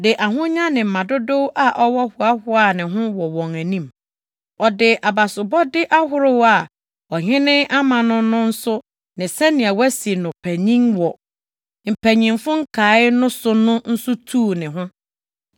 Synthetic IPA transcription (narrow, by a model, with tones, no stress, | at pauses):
dɪ˨ʔa˨ɦʊ̃˦ɲã˦nɪ̃˨m̩˨mã˨dʊ˦do˦wʔa˨ʔɔ˦wɔ˦hʊ˨a˦hʊ˦a˦nɪ̃˨ɦʊ̃˦wɔ˨wɔ̃˨ŋæ˨nĩ˦m | ɔ˨dɪ˨ʔa˨ba˨sʊ˨bɔ˦dɪ˦ʔa˦ɦʊ˦ɾʊ˦wa˨ | ɔ˨hɪ̃˦nɪ̃˦a˦mã˨nʊ̃˦nʊ̃˦n̩˦sʊ˦ | nɪ̃˨sɛ˦nɪ̃˨a˨wæ˦si˨nʊ̃˨pʰæ˨ɲĩ˦ŋwɔ˨ | m̩˨pʰæ˨ɲĩ˨mfʊ̃˦ŋ̩˦kʰaː˨˦ɪ˦nʊ̃˦sʊ˦nʊ̃˦n̩˦sʊ˦tʰuː˦˨nɪ̃˨ɦʊ̃˦